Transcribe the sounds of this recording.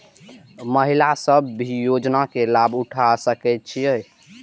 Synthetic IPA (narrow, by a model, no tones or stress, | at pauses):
məɦilasəbːijod͡ʒnakelabuʈʰasəkɛt̪̚t͡ʃʰijəj